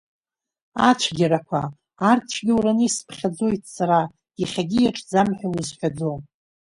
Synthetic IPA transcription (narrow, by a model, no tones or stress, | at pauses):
at͡ʃʷʰɡʲaɾakʷʰa̰ː | rʰt͡ʃʷʰɡʲɪwɾanɨspʰχʲad͡zo̞jtʰsaɾa | iχʲaɡʲijaʈ͡ʂʼd͡zamħʷᶣawuzħʷᶣad͡zo̞